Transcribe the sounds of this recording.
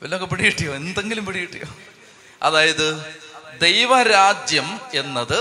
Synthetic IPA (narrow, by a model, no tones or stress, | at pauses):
ʋelːɐokːepiɽijiʈːijoːend̪e̞ŋɡilumpiɽijiʈːijo̰ː | ɐ̰ðaːjɐðɨd̪ejʋɐɾaːd͡ʑjɐme̞nːɐðɨ